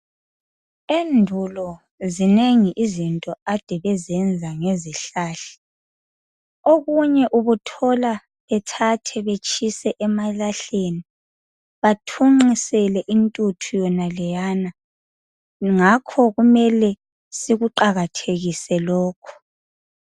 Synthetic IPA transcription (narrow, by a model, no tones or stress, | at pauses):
endʱulɔ | zineŋiʔizintʼɔad̥ʱɛβɛzɛnd͡zʱaŋeziɬaːɬɛ̥ | oɣuɲɛʔuβutʰɔla | βɛtʰatʰɛβet͡ʃʰʼisɛʔɛmalaɬeni | βatʰuŋ͡ǃisɛlɛʔintʼutʰujɔnalɛjana | ŋakʰɔɣumɛlɛ | siɣuǃaɣatʰeɣisɛlɔːkʰɔ̥